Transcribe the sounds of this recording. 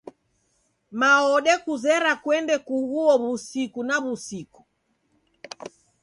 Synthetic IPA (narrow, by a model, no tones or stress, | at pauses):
maɔɗɛkuzɛɾakwɛndɛkuɣuɔβusikunaβusiku̥